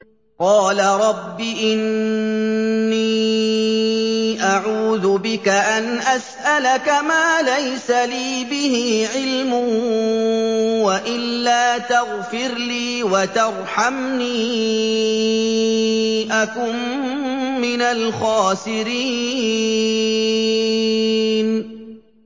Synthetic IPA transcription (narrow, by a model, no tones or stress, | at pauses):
qɑːlaɾˤɑbːiʔɪn | iː | ʔaʕuːðʊbɪkaʔanʔasʔalakamaːlajsaliːbɪhɪʕɪlmʊh | waʔɪlːaːt̪ɑɣfɪɾliːwat̪ɑɾˤħamniː | ʔakʊm | mːɪnalxɑːsɪɾiː | n